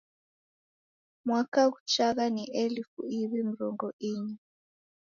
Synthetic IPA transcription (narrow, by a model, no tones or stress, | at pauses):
mwakaɣut͡ʃaɣaniʔɛlifuiβimiɾɔŋɡɔʔiɲi